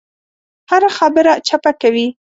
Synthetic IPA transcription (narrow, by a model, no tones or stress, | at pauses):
haɾaxabəɾat͡ʃapakawi